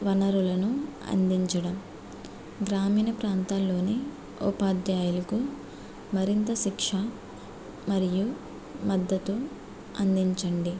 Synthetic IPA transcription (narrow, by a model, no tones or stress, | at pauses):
ʋɐnɐɾulɐnuɐ̰nd̪iɲt͡ʃɐɽɐm | ɡɾaːmiːnɐpɾaːnt̪aːlːo̞ːni | upaːd̪jaːjulɐku | mɐɾint̪ɐʃikʂɐ | mɐɾiju | mɐd̪ːɐt̪u | ɐnd̪iɲt͡ʃɐɳɖi